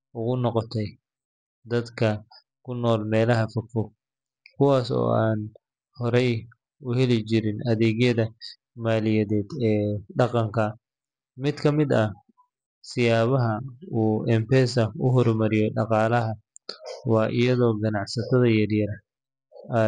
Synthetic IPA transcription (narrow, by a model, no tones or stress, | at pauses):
ʊɣʊnɔqɔt̪ʰɛj | d̪ɐd̪kʰɐ | kʰʊnɔːlmɛːlɐɦɐfɔfɔ | kʰʊwɑːsɔ̰ːaːn | hɔɾɛj | ʊhɛlɪt͡ʃɪɾɪnʔɐðɛːɣjɐðɐ | maːlɪjɛðɛːd̪ɛːɖɑqɑŋkʰɐ | mɪd̪kʰɐmɪd̪ɐ | sɪjaːβɐɦɐuːʔɛmpɛːsɐʊɦɔrmɐɾɪjɔɖɑqɑːlɐɦɐ | wɑːʔɪ̰jɐðɔːɡɐnɑʕsɐt̪ʰɐðɐjɐrjɐɾ